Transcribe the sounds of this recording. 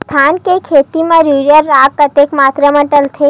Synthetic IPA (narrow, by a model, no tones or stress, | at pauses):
t̪ʰankekʰet̪imãɾuɾjəɾːakːət̪ekmat̪ɾəməʈəlt̪ʰe